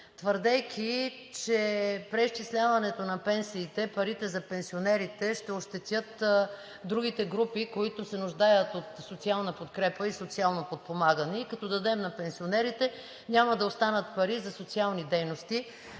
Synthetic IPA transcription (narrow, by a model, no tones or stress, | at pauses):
t̪vəɾd̪ɛkʰʲi | t͡ʃɛpɾɛist͡ʃislʲavɐnɛt̪onɐpɛnsiːt̪ɛpɐɾit̪ɛzɐpɛnsionɛɾit̪ɛʃt̪ɛoʃt̪ɛt̪ʲjɤt̪ | d̪ɾuɡ̟it̪ɛɡɾupikoit̪osɛnʊʒd̪ajət̪ot̪sot̪sialˠnəpot̪kɾɛpəisot̪sialˠnopot̪̚pomaɡənɛikɐt̪ɔd̪ɐd̪ɛmnɐpɛnsionɛɾit̪ɛ | ɲʲamɐd̪ɐost̪anət̪̚pɐɾizɐsot̪sialˠnid̪ɛjnost̪i